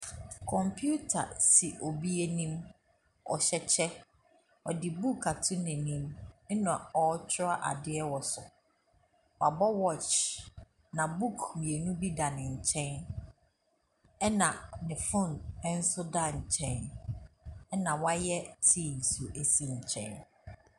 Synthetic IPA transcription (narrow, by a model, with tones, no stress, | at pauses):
kʰɔ̃˨mpʰju˦tʰa̰˨si˨ʔo˨bi˦e˦nĩ˦m | ɔ̰˨ɕɛ˨t͡ɕʰɛ˦ | ɔ˨dɪ˨bu˦˨kʰa˨tʰʊ̃˦nɪ̃˨nĩ˦m˦nã˨ɔ˨˦t͡ɕʰɪ˦a˦ʔa̰˨dɪ˦ɛ˦wɔ˨sʊ˨ | wa˨bɔ˦wɔ˦˨t͡ʃ | nã˨bu˦˨kʰmĩ˨e˨nũ˦bi˦da˨nɪ̃˨ɲ̩˨t͡ɕʰɛ̃˦n | ɛ˦nã˨nɪ̃˨fʊ̃˦˨nɛ˦n̩˦sʊ˦da˦˨ɲ̩˨t͡ɕʰɛ̃˦n | ɛ˦nã˨wa˦jɛ˦tʰĩː˦˨m˨sʊ˨ʔe˨si˦˨ɲ̩˨t͡ɕʰɛ̰̃˦n